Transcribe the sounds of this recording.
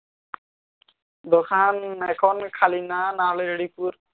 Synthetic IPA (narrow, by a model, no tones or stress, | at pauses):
d̪okʰanɛkʰɔnkʰalinanalejɾeɽipuɾ